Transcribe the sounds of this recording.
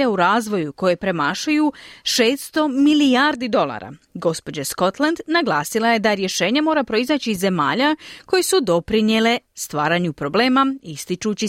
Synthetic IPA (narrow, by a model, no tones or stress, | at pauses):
auɾaːzʋo̞juko̞je̞pɾe̞maːʃajuʃe̞ːst̪st̪o̞miliaːɾd̪id̪o̞lˠa̰ɾa̰ɡo̞spo̞d͡ʑasko̞t̪land̪naɡlˠaːsilˠaje̞d̪aɾje̞ʃe̞ːɲemo̞ːɾapɾo̞izat͡ɕiːzːe̞ma̰ːʎako̞jesud̪o̞pɾinjele̞st̪ʋaːɾaɲupɾo̞ble̞ːmaist̪it͡ʃut͡ɕi